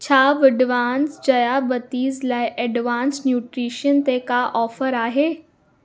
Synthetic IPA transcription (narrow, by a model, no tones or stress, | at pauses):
t͡ɕʰaːʋɪɖʋaːnsd͡ʒɐjabɐt̪iːzlaːiʔɛɖʋaːnsnjuːʈɾiːʃənt̪ekaʔɔːfəɾaːɦeː